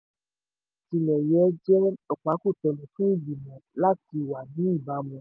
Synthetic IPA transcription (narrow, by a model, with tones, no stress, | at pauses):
ti˧lɛ˨jɛ˨˦d͡ʒɛ˦ɔ˨k͡pa˨˧˦ku˦˨tɔ˧˨lũ˨fũ˦i˦˨bi˨mɔ̃˨la˦ti˧˦˨wa˨nĩ˨˦i˦˨ba˨˦mɔ̃˧